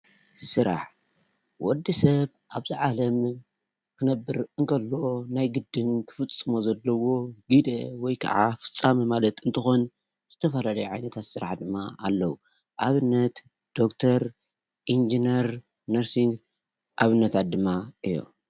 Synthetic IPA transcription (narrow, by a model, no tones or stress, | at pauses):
sɨɾa̰ħ | wɔd̪ːisɐβ | ʔaβzɨʕalɐm | kʰɨnɐbːɨɾɨŋkʰɐlːo̞najɡɨd̪ɨnkʰɨ̥fɨt͡sʼːɨmo̞zɐlːɐwo̞ɡid̪ɐwɔjkʰɐ̰ʕa̰fɨ̥t͡sʼːamɐmalɐt̪ɨnt̪ʰɨxon | z̥ɨt̪ʰɐfɐlalɐjuʕajnɐt̪ʰat̪sɨɾa̰ħd̪ɨmːaalːɐwu | ʔaβɨnːɐt̪ | d̪̥o̞kt̪ʰɐɾ | ʔind͡ʒinɐɾ | nɐɾsiŋɡ | ʔaβɨnːɐt̪ʰat̪̚d̪ɨmːaʔɨjːo̰